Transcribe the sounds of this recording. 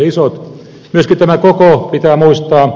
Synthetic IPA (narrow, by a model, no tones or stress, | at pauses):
isot̪ | myøskit̪æmækokopit̪æːmuist̪ɑː